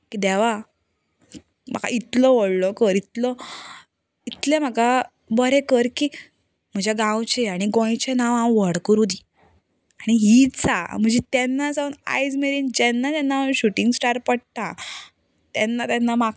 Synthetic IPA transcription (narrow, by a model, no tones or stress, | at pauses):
kid̪ɛʋa | m̤a̰ka̰it̪lɔʋəɽlɔkəɾit̪lɔ | it̪lem̤aka | bəɾekəɾki | m̤əd͡ʑaɡãwt͡ɕeaɽ̃iɡɔ̃jt͡ɕenaʋãʋəɽkuɾod̪iː | aɽ̃iɦiːt͡sa̰m̤əɳd͡ʑet̪ɛnːad͡zauna̰jd͡zmeɾind͡ʑɛnːat̪janːaɕuʈiŋɡsʈaɾpəɽt̪ã | t̪ɛnːat̪jɛnːama